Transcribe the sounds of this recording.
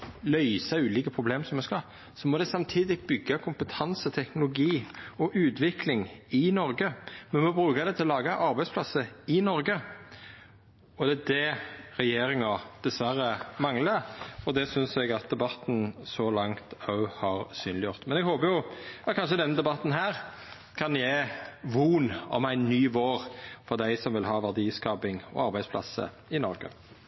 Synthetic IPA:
lœʏsɑʉːliːkəpʰʁʊbleːmsɔmɛskɑ | sɔmɔd̪ɛsɑmt̪ʰiːd̪ɪbʏɡːɑkʰʊmpət̪ʰɑnsət̪ʰɛknʊlʊɡiːɔʔʉːt̪ʰʋɪkʰlɪŋɪnɔɾɡəmɛnmɔbɾʉːkɑd̪ɛt̪ʰɪlɔlɑːɡɑʔɑɾbæɪspʰlɑsəɪnɔɾɡə | ɔd̪ɛɛd̪ɛɾɛjeːɾɪŋɑd̪̥ɛsʋæɾəmɑŋləɔd̪ɛsʏnsɛɡɑt̪̚d̪ɛbɑt̪ːn̩sɔlɑŋt̪ɑʉhɑɾsyːnlɪjʊʁt̪mɛnɛɡhoːpəjʊɑt̪kʰɑnʃ̬əd̪ɛnːəd̪ɛbɑt̪ːn̩ɦæːʁ | kʰɑnjæʋuːnɔ̰mæɪnːyːʋoːɾfɔɾd̪æɪsɔmʋɪlɦɑːʋæʁd̪iːskɑːpɪŋɔ̰ɑɾbæɪspʰlɑ̰sːə̰ | ɪnɔɾɡə̰

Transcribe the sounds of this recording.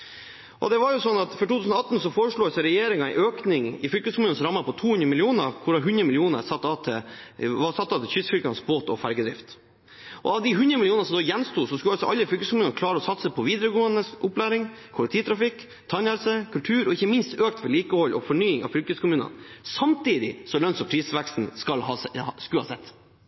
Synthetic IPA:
ʔɔ̰d̪ɛʋɑɾjʊsɔnːɑt̪fɔɾʈʰut̪ʉsnɔɑt̪ːn̩sɔfoːɾəʂɭuːsɛɾɛjeːɾɪŋɑɛ̰ɪʔøːknɪŋɪfʏlkəskʰʊmʉːnnsɔɾɑmːəpʰɔt̪ʰuːhʉnd̪ɾəmɪlɪuːnəkʰʊɾɑɦʉnɾəmɪlɪuːnə̰ɾsɑt̪ːɑt̪ʰɪʋɑsɑt̪ːɑːt̪ɪlçʏsfʏlkɑnsboːt̪ɔ̰fæɾɡəd̪ɾɪ̰ft̪ | ʔɔ̰ɑʋd̪ɪɦʉnd̪ɾəmɪlɪuːnəsɔmd̪ɔːjɛnst̪uːsɔskʉɑlsɔʔɑlːəfɾʏlkəskʊmʉːnkʰlɑːɾəɔsɑt̪səpʰɔʋiːd̪ɾəɡoːənəsʔʊplæːɾɪŋkʰʊlɪkt̪ʰiːt̪ʰɾɑfɪk | t̪ʰɑnɛlsəkʰʉlt̪ʰʉːɾɔɪçːəmɪnst̪øːk̚t̪ʋɛliːkəhɔlːʔɔ̰fɔɳyːɪŋɑ̰ʋfʏlkəskʰʊmʉːnə̰nsɑmt̪iːd̪ɪsɔlœnsɔpʰɾiːsʋækst̪n̩skɑlhɑskʉhɑ̰sɛt̪ː

